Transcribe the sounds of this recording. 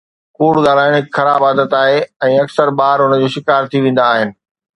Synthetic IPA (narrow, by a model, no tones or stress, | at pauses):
kuːɽɠaːlaːɪɽ̃ɦɪkxɐɾaːbaːd̪ət̪aːɦeɛ̃ːɐksəɾbaːɾɦʊnəd͡ʑoːʃɪkaːɾt̪ʰiʋẽːn̆d̪aːɦɪnɪ̆